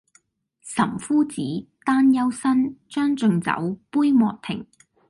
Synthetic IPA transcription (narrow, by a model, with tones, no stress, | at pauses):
sɐ˨˩mfuː˥t͡siː˨˥t̪aː˥njɐ˥wsɐ˥nt͡ʃœː˥ŋt͡ʃɵ˨˧ŋt͡sɐ̰˨˥wpuː˥jmɔː˨k̚t̪ʰɪ̰˨˩ŋ